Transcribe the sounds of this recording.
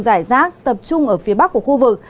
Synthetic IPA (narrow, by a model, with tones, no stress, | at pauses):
zaː˧˩jzaː˦˥k̚t̪ə˨˩p̚t͡ɕʊ˧ŋ͡mʔəː˧˩fi˨˦əɓa˦˥k̚ːu˧˩əxu˧vɨ˨˩k̚